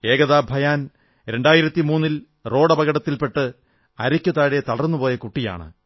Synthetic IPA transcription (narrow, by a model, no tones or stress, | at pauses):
e̞ːɡɐðaːbʱɐjaːn | ɾe̞ɳɖaːjiɾɐt̪ːimuːnːil | ro̞ːɽɐbɐɣɐɽɐt̪ːilpe̞ʈːɨ | ɐɾɐkʲːut̪aːɽet̪ɐɽɐrnːupo̞ːjɐkuʈːija̰ːɳɨ̰